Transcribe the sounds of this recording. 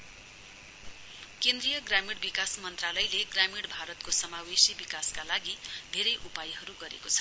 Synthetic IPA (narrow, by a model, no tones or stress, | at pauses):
kend̪rijʌɡramiɽbikasmʌnt̪ralʌjleɡramiɽbʱaɾʌt̪̚kosʌmawesibikaskalaɡid̪ʱeɾʌjʔupajɦʌɾuɡʌɾḛkot͡sʰʌ̥